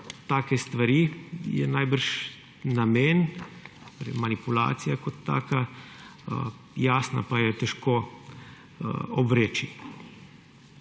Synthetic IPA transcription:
t̪aːkɛst̪ʋaɾiːjɛ̰najbəɾʃ | nameːn | ɾɛ̰manipula̰ːt̪sijakot̪ːa̰ːka | jaːsna̰pajɛt̪ɛʃkoː | ɔbʋɾeːt͡ʃi

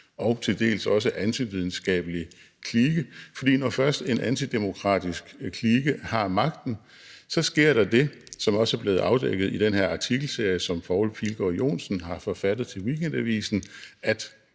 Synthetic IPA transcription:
ɒ̽ʊt͡sʰe̝ld̥e̝̰ːlsɒ̽s̬əʔænt͡sʰiʋið̞ˠn̩sɡ̥ɛ̰ːb̥əli | kʰliːɡ̥əfɒ̽d̥ḭːnɒfɶɐsd̥e̝nʔænt͡sʰid̥emo̝kʰʁɑ̰̈ːd̥isɡ̥kʰliːɡ̥əhɑ̈mɑ̈ɡ̥̚d̥n̩ | sɒ̽sɡ̥e̝ɐ̰ɾ̥ɑ̈d̥e̝ | sɒ̽mɒ̽səæɐb̥le̝ːð̩ˠɑ̈ʊd̥eɡ̥ð̞̩ˠid̥enhe̝ɐ̰ɑ̈t͡sʰiɡ̥l̩se̝ɐ̰jəsɒ̽mpʰɑ̈ʊlpʰilɡ̥ɒjo̝̰ːnsn̩ɦɑ̈fɒ̽fæd̥ð̞̩ˠt͡sʰe̝lwikʰend̥æʋḭːsn̩æd̥

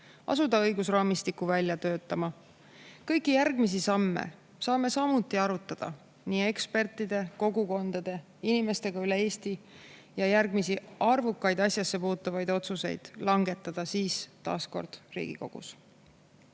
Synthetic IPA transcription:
ɑ̰sud̪̥ɑɤjɡusrɑːmist̪ikːˑuvælʲjɑt̪øːt̪ːˑɑmɑ | kɤjkːˑijærɡ̥mis̬isɑmːḛ | sɑːme̞sɑmut̪ːˑiɑɾut̪ːˑɑd̪̥ɑ̰ | niːe̞kspe̞rt̪ːˑid̪e̞ko̞ɡuko̞nd̪̥ɑd̪̥e̞ | inime̞st̪e̞ɡ̥ɑylee̞ːst̪i | jɑjærɡmisiɑrvukːɑjd̪̥ɑsʲjɑsːe̞puːt̪ːˑɑvɑjd̪o̞t̪suse̞̰jd̪̥lɑŋɡ̥e̞t̪ːˑɑd̪̥ɑsiːst̪ɑ̰ːsko̞̰rd̪̥rḭːɡ̥ḭko̞̰ɡ̥ṵs

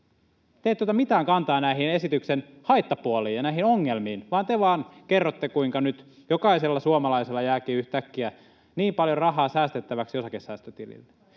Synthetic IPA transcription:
t̪eit̪ːuot̪ɑmit̪æːŋkɑnt̪ɑːnæiɦine̞sit̪yksen | hɑit̪ːɑpuoliːjjɑnæiɦinoŋːelmiːnʋɑːnt̪eʋɑːnkerːot̪ːekuiŋkɑnyt̪ | jokɑiselːɑsuomɑlɑiselːɑjæːkiːyht̪ækːiæ | niːmpɑljorɑɦɑːsæːst̪et̪ːæʋæksjo̞sɑkesːæːst̪øt̪ilḭlːe̥

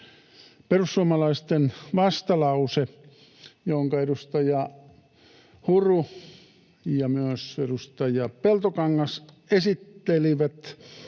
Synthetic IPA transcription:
perusːuɑmɑlɑist̪enʋɑst̪ɑlɑuse | jooŋkɑedust̪ɑjɑ | huru | jɑmyøsedust̪ɑjɑpelt̪okɑŋːɑs | esit̪ːeliʋæt̪

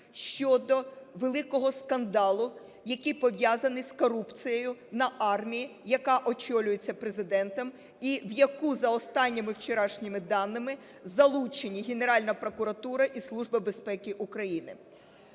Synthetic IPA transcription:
ʃt͡ʃɔd̪ɔʋelˠɪkɔɦɔskɐnd̪ɑlˠʊ | jɐkʲipɔʋʲjazɐnɪskɔɾupt͡sʲijejʊnɐʔɑrmʲijijɐkɑʔɔt͡ʃɔlʲʊjet͡sʲːɐpɾezɪd̪ɛnt̪ɐm | iʋjɐkuzɐɔst̪ɑnʲːɪmɪwt͡ʃeɾɑʃnʲɪmɪd̪ɑnːɪmɪ | zɐlˠut͡ʃenʲiɦeneɾɑlʲnɐpɾɔkʊɾɐt̪uɾɐʔislˠuʒbɪbe̞spɛkʲɪʔukɾɐjinɪ̰

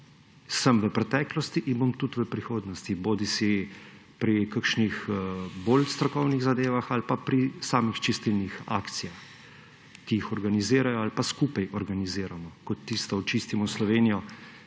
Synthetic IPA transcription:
səmʋəpɾɛt̪ɛːklɔst̪iʔinbomt̪ut̪ʋəpɾixoːd̪nɔst̪iboːd̪isi | pɾikaɾkʃnixboːlst̪ɾɔkɔwniɣzad̪eːʋaxalpapɾisaːmixt͡ʃist̪ilnixa̰ːkt̪sijax | kijixɔɾɡaniziːɾajɔalpaskuːpajɔɾɡaniziːɾamɔkɔt̪ːist̪ɔɔt͡ʃiːst̪imɔslɔʋeːnijɔ

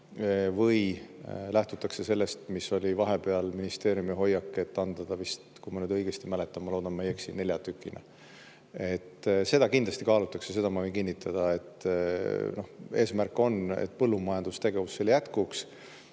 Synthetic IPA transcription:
vɤjlæht̪ut̪ːˑɑkse̞se̞lːe̞st̪misːo̞lʲivɑɦe̞pe̞ɑlminist̪e̞ːɾjumiɦo̞jːɑkːe̞t̪ːɑnd̪̥ɑd̪̥ɑvist̪kujmɑnyːd̪ɤ̞jɡ̥est̪imæle̞t̪ːˑɑmːɑlo̞ːd̪̥ɑnmejːeksinne̞lʲjɑt̪ykːˑinḛ | e̞t̪ːse̞d̪̥ɑkind̪lɑst̪ikɑːlut̪ːˑɑksese̞d̪ɑmɑvɤjnkinʲːit̪ʰːˑɑd̪̥ɑe̞t̪ː | no̞he̞̰ːsmærkːo̞nḛt̪̚ːˑpɤ̞lːumɑjɑnd̪̥ust̪e̞ɡe̞vusːe̞ljæt̪kuks

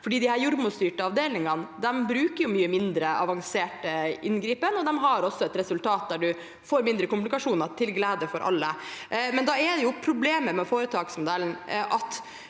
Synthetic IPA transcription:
fɔɖiːd̪ɪhæːɾjʊɾmʊst̪yːʈəɑʋd̪eːlɪŋɑnd̪ɛmbɾʉːkəɾjʊmyːəmɪnd̪ɾəʔɑ̰ʋɑŋseːʈəɪnɡɾiːpənɔd̪ɛmɦɑɾɔsːɔɛt̪ɾɛsʉlt̪ʰɑːt̪̚d̪æɖʉ | foːɾmɪnd̪ɾəkʊmlɪkɑʂuːnət̪ʰɪlɡlæːd̪əfɔɾʔɑ̰lːəmɛnd̪ɑɛɖ̪ɛjʊpʰɾʊbleːməmɛfoːɾət̪ʰɑːɡsmʊd̪ɛlnʔɑt̪

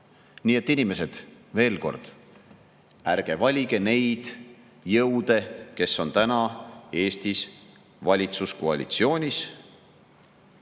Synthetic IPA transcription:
niːe̞t̪ːˑinime̞se̞d̪̥ve̞ːlko̞̰rd̪̥ | æɾɡ̥e̞vɑlʲiɡ̥e̞ne̞jd̪̥ | jɤwd̪̥e̞ke̞so̞nt̪ænɑe̞ːst̪is | vɑlʲit̪susko̞ɑ̰lʲḭt̪sio̞ːnʲis

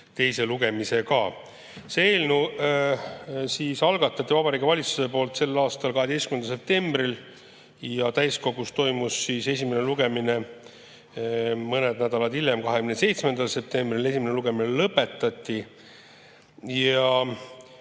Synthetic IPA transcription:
t̪e̞jse̞luɡe̞mise̞kɑ | seeːlnu | siːsɑlɡ̥ɑt̪ːˑɑt̪ːˑivɑbɑɾiːɡevɑlʲit̪suse̞po̞ːlt̪se̞lːɑːst̪ɑlkɑɦe̞d̪̥estkymenɑse̞p̚t̪e̞mb̥ril | jɑt̪æjsko̞ɡ̥ust̪o̞jmusːiːse̞sʲime̞neluɡ̥e̞mine̞ | mɤne̞d̪næd̪̥ɑlɑd̪iljemkɑɦe̞kymnese̞jt̪smend̪̥ɑlse̞p̚t̪e̞mbrile̞sʲimneluɡe̞minelɤpːˑe̞t̪ːˑɑt̪ʲːi | jɑ

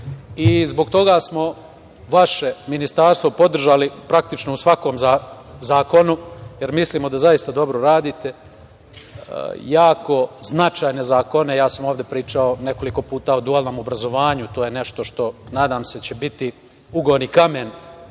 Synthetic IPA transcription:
izbo̞ɡt̪o̞ɡaːsmo̞ | ʋaʃe̞minist̪aːɾst̪ʋo̞po̞d̪r̩ʒalipɾak̚t̪it͡ʃnousʋako̞ːmza | zaːko̞nuje̞ɾmisliːmo̞d̪azajist̪ad̪o̞bɾoɾaːd̪iːt̪e̞ | jaːko̞znat͡ʃaːjnezaːko̞ne̞jaːsamoːʋd̪e̞pɾiːt͡ʃao̞ne̞ko̞liko̞puːt̪aod̪uaːlˠno̞ːmo̞bɾazo̞ʋaːɲut̪o̞ːjene̞ʃt̪o̞ʃt̪o̞naːd̪aːmse̞t͡ɕe̞bit̪i | uɡonikamen

